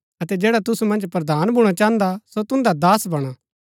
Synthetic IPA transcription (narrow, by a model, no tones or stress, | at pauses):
ɐt̪ɛd͡ʒɛːɽat̪ʊsumɐ̃nd͡ʒpɾɐd̪aːnbʱuɽ̃at͡ʃaːə̃nd̪asot̪ʊ̃nd̪ad̪aːsbɐɽ̃a